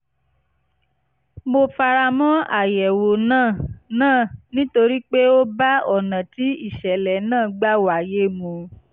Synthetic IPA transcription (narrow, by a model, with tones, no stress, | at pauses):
mo˧fa˧ɾa˧mɔ̃˦a̰˦˨jɛ˨wo˨nãː˦˨nãː˦˨nĩ˦to˧ɾi˦k͡pe˦o˦ba˦ɔ˦˨nã˨ti˨˦i˦˨ʃɛ˨lɛ˨˦nãː˦˨ɡ͡ba˦wa˨je˦mõ˧